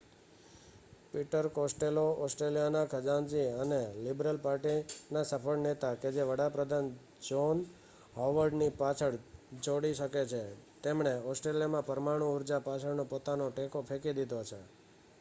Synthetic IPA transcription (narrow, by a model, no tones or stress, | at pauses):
piʈəɾkosʈeloʔɔsʈɾelijanakʰəd͡ʒãnd͡ʒiənelibɾəlpaɾʈinasəpʰəɭnet̪aked͡ʒeʋəɽapɾəd̪ʱan | d͡ʒon | ɦɔʋəɾɖnipat͡ʃʰəɽd͡ʒoɽiʃəket͡ʃʰet̪emɳeɔsʈɾelijamãpəɾmaɽ̃ũuɾd͡ʒapat͡ʃʰəɽnõpot̪anõʈekopʰekid̪id̪ot͡ʃʰe